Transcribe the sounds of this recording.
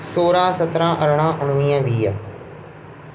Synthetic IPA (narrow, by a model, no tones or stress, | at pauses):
soːɾãːsət̪ɾãːʔəɾɽ̃ãːʔʊɽ̃ʋĩːãːʋiːə̰